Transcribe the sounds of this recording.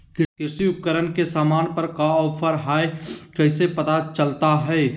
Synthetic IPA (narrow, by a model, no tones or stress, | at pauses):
kɪkɪsiʊp̚kəɾənkesaːmaːnpɐɾkaɔːpʰəɾɦaːekɐɪsepɐt̪at͡ʃəlt̪aɦɛː